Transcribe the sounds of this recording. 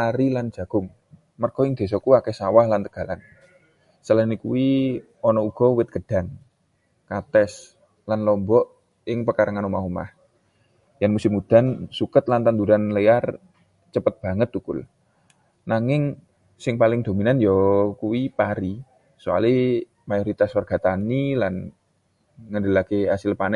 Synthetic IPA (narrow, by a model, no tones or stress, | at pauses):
aɾiland͡ʒ̥ä̤ɡ̥ʊŋ | mərɡ̥ɔɪŋd̪̥e̤sɔkuakɛsawahlant̪əɡ̥a̤la̰n | səlanikuwi | ɔnɔuɡ̥ɔ̤wɪt̪̚ɡ̥əɖ̥a̤ŋ | kat̪ɛs | lanlɔmbɔʔ | ɪŋpəkaɾaŋanumaɦuma̰h | janmusɪmud̪̥a̤nsukət̪lant̪and̪uɾanlear | t͡ʃəpət̪̚b̥a̤ŋət̪̚ukʊ̰l | naŋɪŋ | sɪŋpalɪŋd̪̥o̤minanjɔkuwipaɾi | sua̰li | majoɾit̪aswərɡ̥a̤t̪anilan | ŋəndəlakeasɪlpanɛ